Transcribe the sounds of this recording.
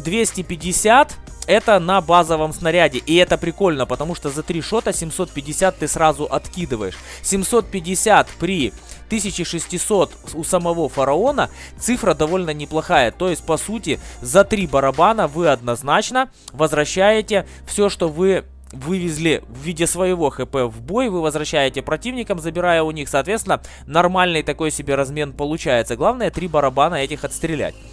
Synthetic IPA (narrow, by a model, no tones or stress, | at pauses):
d̪vʲesʲtʲɪpʲɪdʲːɪsʲat̪ | ɛt̪ənɐbazəvəmsnɐɾʲædʲɪʔɪɛt̪əpɾʲɪko̞lʲnəpət̪ɐmuʂt̪ozɐt̪ɾʲiʂo̞t̪əsʲɪmso̞t̪̚pʲɪdʲːɪsʲat̪ːɨsɾazʊʔɐt̪kʲid̪ɨvə̰jɪʂ | sʲɪmso̞t̪̚pʲɪdʲɪsʲat̪pɾʲi | t̪ɨsʲɪt͡ɕɪʂɨsʲtʲɪso̞t̪ʊsəmɐvo̞fɐɾɐo̞nə | t̪sɨfɾəd̪ɐvo̞lʲnənʲɪplˠɐxajət̪o̞jɪsʲt̚ʲpɐsutʲɪzɐt̪ɾʲibɐɾɐbanəvɨɐd̪̚nɐznat͡ɕnə | vəzvɾɐɕːæjɪtʲɪ | fsʲoʂt̪o̞vɨ | vɨvʲɪzʲlʲɪvːʲidʲɪsvəjɪvo̞xɛpɛvbo̞jvɨvəzvɾɐɕːæjɪtʲɪpɾɐtʲivnʲɪkəmzəbʲɪɾajəʊnʲixsɐːt̪vʲeɪnːə | nɐrmalʲnɨjt̪ɐko̞jsʲɪbʲeɾɐzmʲe̞npəlˠʊt͡ɕæjɪt̪səɡlˠavnəjət̪ɾʲibɐɾɐbanəɛtʲɪxɐt̪st̪ɾʲɪlʲæ̰tʲ